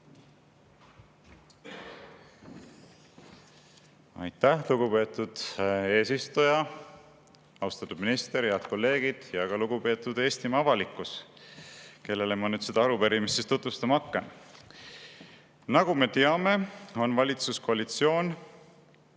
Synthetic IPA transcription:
ɑ̰jt̪ˑːæhluɡ̥upe̞ːt̪ːˑud̪̥e̞ːsist̪ujɑ | ɑwst̪ɑt̪ːˑud̪̥minist̪e̞ɾheɑd̪̚ko̞lːe̞ːɡ̥id̪̥jɑɡ̥ɑluɡ̥upe̞ːt̪ːˑud̪̥eːst̪imɑɑvɑlikːˑus | ke̞lːe̞lemɑnyːd̪̥sed̪̥ɑɑɾupeɾimist̪ːest̪ut̪vust̪ɑmɑkːen | nɑɡ̥ume̞t̪e̞ɑme̞o̞nvɑlʲit̪susko̞ɑlit̪sio̞ːn

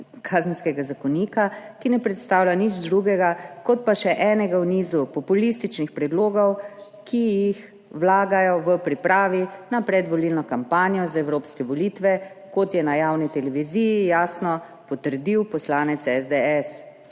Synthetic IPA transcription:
kʰaːzənskɛɡazakɔniːkakinɛpɾɛt̪st̪aːwlʲanid͡ʒd̪ɾuɡɛɡakɔt̪̚paʃɛʔɛːnɛɡawniːzupɔpulist̪it͡ʃnixpɾɛd̪loːɡɔw | kʰijix | wlaːɡajɔʋəpɾipɾaːʋinapɾɛd̪ʋɔlilnɔkampaːnijɔzaɛwɾoːpskɛʋɔlit̪ʋɛ | kɔt̪jɛnajaːwnit̪ɛlɛʋiziːjijaːsnɔ | pɔt̪əɾd̪iwpɔslaːnɛt̪sɛzd̪ɛɛs

